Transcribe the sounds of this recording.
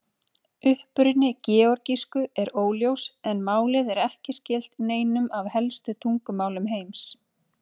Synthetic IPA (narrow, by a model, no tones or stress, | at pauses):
ʏhpʏɾʏnːɪcɛːɔɾciskʏɛɾoːwljowsɛnmaːwlɪðɛɾɛhcɪscɛːl̥t̪neːjnʏmavhɛlst̪ʏt̪ʰuŋkʏmaːwlʏmɦeːjms